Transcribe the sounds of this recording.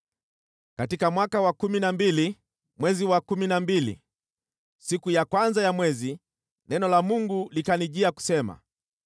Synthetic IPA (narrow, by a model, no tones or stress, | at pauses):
katikamwakawakuminambili | mwɛziwakuminambilḭ | sikujakwanzajamwɛzi | nɛnɔlamuŋɡulikaniʄiaku̥sɛma̰